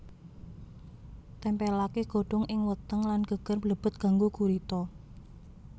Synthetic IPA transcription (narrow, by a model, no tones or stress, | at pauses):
t̪ɛmpɛlakeɡ̥o̤ɖ̥ɔ̤ŋʔɪŋwət̪əŋlanɡ̥ə̤ɡ̥ə̤rbləb̥ʊ̤t̪̚ɡ̥a̤ŋɡuɡuɾit̪ɔ